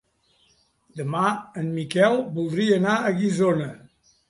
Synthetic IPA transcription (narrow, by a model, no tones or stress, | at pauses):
d̪əmaənmikɛlˠbulˠd̪ɾiənaəɣizonə